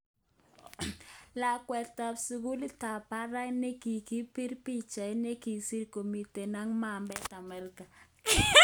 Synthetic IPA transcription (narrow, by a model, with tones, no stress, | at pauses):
la˨kwɛ˨ta˨psu˨ɡu˦li˦ta˨pa˦ɾa˦ne˦ki˨ki˦pi˦ɾpi˦t͡ʃa˨ɪ˦ne˦ki˨si˦ɾko˨mi˨te˨na˦ŋma˨mbɛ˦ta˨mɛ˨ɾka˨